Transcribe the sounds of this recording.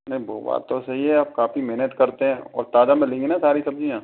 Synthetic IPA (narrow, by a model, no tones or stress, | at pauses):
nɐĩbo̰ːba̰ːt̪ːosɐɦiɦɛaːp̚kaːfimeɦnət̪kɐɾt̪eɦɛ̃ːɔ̰ːɾt̪aːd̪amẽlẽːŋɡenasaːɾisɐb̚d͡ʒijãː